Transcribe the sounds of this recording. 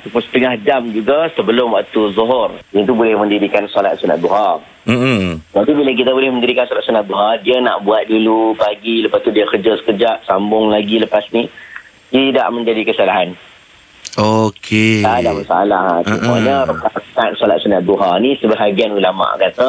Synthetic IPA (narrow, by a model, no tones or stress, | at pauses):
t̪upʊsə̥t̪əŋahd͡ʒamd͡ʒuɡasəbəlʊmwaʔt̪uzɔɦʊrjənt̪ubolɪhmə̃ndiɾikansɔlat̪̚suna̰t̪̚d̪uɦar | m̩d͡ʒapibilak̬it̪abolɪhməndiɾikansɔlat̪̚sunat̪̚d̪uɦardiəna̰ʔbuat̪̚dulupaɡiləpast̪udiəkərd͡ʒasə̥kəd͡ʒaʔsambʊŋlaɡiləpasni | t̪ida̰ʔmə̃ɲd͡ʒadikəsalaɦan | okʰeadahmasaalahsumuaɲəɾukasnat̪̚sɔlat̪̚sunat̪̚d̪uɦarnisəbəɦaɡianulama̰ʔkat̪a